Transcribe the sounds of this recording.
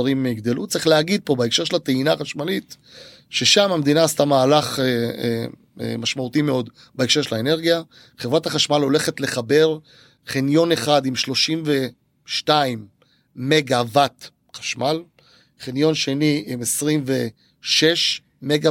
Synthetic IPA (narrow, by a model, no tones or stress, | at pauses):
aʁimeiɡd̪elut̪t͡sʁiχleaɡid̪̚po̞baekʃe̞ʃelat̪einaχaʃmalit | ʃe̞ʃamamed̪inaːst̪amaːlaχe | maʃmaut̪imeo̞d̪ | baekʃe̞ʃelaene̞ʁɡija | χevʁathaχaʃmalo̞le̞χe̞t̪le̞χabe̞ʁ | χenjo̞ne̞χad̪imʃlo̞ʃimve | ʃtaimː | e̞ɡavat̪ | χḁʃmal | χenjo̞nʃe̞niʔimesʁimve | ʃe̞ʃ | meɡa